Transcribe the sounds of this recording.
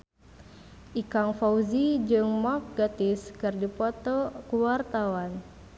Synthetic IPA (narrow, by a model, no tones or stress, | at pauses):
ʔikaŋfauzid͡ʒɨŋmafɡat̪ɪskɨrdipɔt̪ɔkuwart̪awan